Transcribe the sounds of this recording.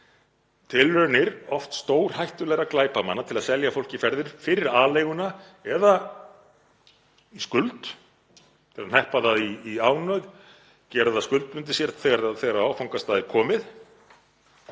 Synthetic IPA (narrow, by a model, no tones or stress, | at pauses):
t̪ʰɪlœɾnɪɾɔft̪st̪oːwɾ̥hajht̪ʏlɛːɣaklaːjpamanːat̪ʰɪlaðsɛljafowl̥cɪfɛɾðɪɾ̥fɪɾɪɾaːlejɣʏna | ɛða | iskʏlt̪ | t̪ʰɪlaðnɛhpaðaðiːaːwnœɥð | cɛːɾʏðaskʏlt̪̚mʏnt̪̬ɪsjɛɾt̪θɛɣaɾaðθeɾaaːwfawŋkast̪aːðɪɾkʰɔːmɪð